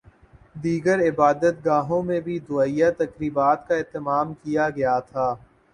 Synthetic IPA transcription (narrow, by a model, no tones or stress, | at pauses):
d̪iːɡəɾɪbaːd̪ət̪ɡaːɦõmẽbʱid̪ʊaːijat̪ɐkɾiːbaːt̪kaɪːt̪əmaːmkijaɡɐjat̪ʰaː